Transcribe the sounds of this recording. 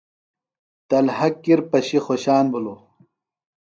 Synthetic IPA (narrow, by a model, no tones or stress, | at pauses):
t̪ɐlhɐkːiɾpɐɕixoɕaːnbulo